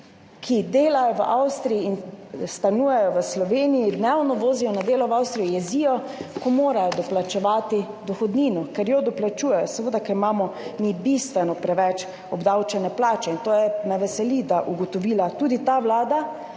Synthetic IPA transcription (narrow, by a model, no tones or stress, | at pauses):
kʰid̪eːlajɔʋəʔawst̪ɾijiinst̪anuːjɛjɔʋəslɔʋeːnijid̪nɛwnɔʋoːzijɔnad̪eːlɔʋawst̪ɾijɔjɛziːjɔ | kɔmoːɾajɔd̪ɔplat͡ʃɛʋaːt̪i | d̪ɔxɔd̪niːnɔkɛɾjɔd̪ɔplat͡ʃuːjɛjɔsɛʋəːd̪akɛimaːmɔmibist̪ʋɛnɔpɾɛʋɛt͡ʃ | ɔbd̪awt͡ʃɛnɛplaːt͡ʃɛint̪oːjɛnaʋɛsɛlid̪aʔuɡɔt̪ɔʋiːlat̪uːd̪it̪aʋlaːd̪a